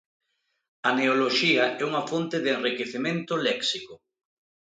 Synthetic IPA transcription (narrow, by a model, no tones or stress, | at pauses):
ɐneoloʃiɐʔɛuŋɐfont̪eðenrikeθimẽnt̪ʊlɛksikʊ